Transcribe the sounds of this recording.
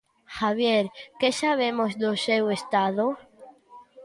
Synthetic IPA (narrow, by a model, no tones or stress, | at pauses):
xaβ̞jeɾkesaβemozd̪osewest̪aðo